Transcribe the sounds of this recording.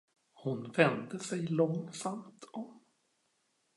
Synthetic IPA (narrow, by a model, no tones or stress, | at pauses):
hʊnvɛnd̪əsɛjlɔŋsamt̪ɔm